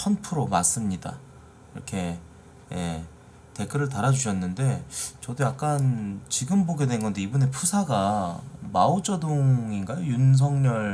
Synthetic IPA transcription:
pʰʌnpʰɯɾomas͈ɯmɲida̰ | iɾʌ̰kʰe̞ | je̞̰ | te̞k͈ʰɯɾɯɭtaɾad͡ʑuɕʰʌnːɯnde̞t͡ɕʌdojak̚k͈ant͡ɕiɡɯmboɡe̞dwe̞nɡʌnde̞ibune̞pʰusʰaɡama̰od͡ʑʌdoŋinɡajojuns̬ʰʌŋɲʌɭ

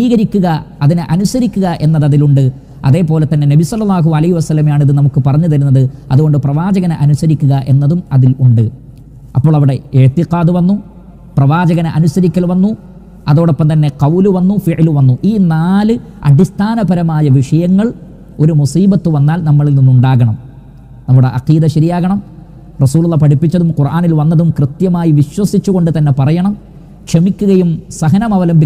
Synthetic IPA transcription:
iːɣɐɾikʲːuɣɐɐðinɨʔɐnusɐɾikʲːuɣɐʔe̞nːɐðɐðiluɳɖɨ | ɐ̰ðe̞ːpo̞ːle̞t̪ːɐnːe̞nɐbisɐlːɐlːaːɦuɐlɐhiʋɐsɐlːɐmjaːɳiðɨnɐmukːɨpɐrɐɲːuðɐɾunːɐðɨɐðuɣo̞ɳɖɨprɐʋaːd͡ʑɐɣɐnɐʔɐnusɐɾikʲːuɣɐʔenːɐðumɐðiluɳɖɨ | ʔɐpːoːɭɐʋiɽe̞eɻt̪ːiqaːd̪uʋɐnːu | prɐʋaːd͡ʑɐɣɐnʔɐnusɐɾikʲːɐlʋɐnːu | ɐðoːɽopːɐmt̪ɐnːe̞qɐwluʋɐnːufiʔluʋɐnːuʔiːnaːlɨ | ɐ̰ɖist̪ʰaːnɐbɐɾɐmaːjɐʋiʂɐjɐŋːɐɭ | o̞ɾumusiːbɐt̪ːuʋɐnːaːlnɐmːɐɭilninːuɳɖaːɣɐɳɐm | nɐmːuɽe̞ʔɐqiːd̪ɐɕɐɾijaːɣɐɳɐm | rɐsuːlulːɐpɐʈipːit͡ɕːɐðumqurʔaːnilʋɐnːɐðumkrɨt̪jɐmaːjiʋiɕwɐsit͡ɕːuɣo̞ɳɖɨt̪ɐnːe̞pɐrɐjɐɳɐm | kʂemikʲːuɣɐjumsɐɦɐnɐmɐʋɐlɐmbʱi

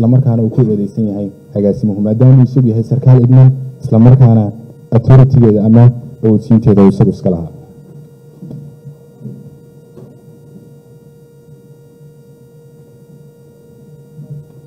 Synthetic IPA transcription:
lɐmɐrkʰaːnɐuːkʰʊɔðɛjsɐnjɐɦɛjhɐɣaːsɪmɐhʊmaːd̪aːmɐuːɪsɐɣjɐɦɛjsɐrkʰaːlɪɡnɐnɪ̥slɐmɐrkʰaːnɐ | ɐt̪ʰɔɾɪt̪ʰɪɣɛːðɐɐmɐɔt͡ʃʰiːnt̪ʰɛːðɐuːɪsɐɣʊɪskʰɐlɐ̰hɦaː

